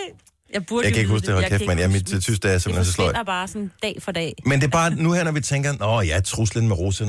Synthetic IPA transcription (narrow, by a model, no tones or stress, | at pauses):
jab̥jɑ̈ɪ̥æe̝ɡ̥husd̥ehɒlkʰefmænjæmid̥t͡sʰysd̥ɛɐsem̥lensɔslɔ̰jb̥ɑ̈ːsɔnd̥ɛ̰ːfɒd̥ɛ̰mend̥e̝b̥ɑ̈ːnuhæɐnɒʋit͡sʰeŋ̰ɡ̥ɐnɒjɑɐt͡sʰʁuslənmeʁosən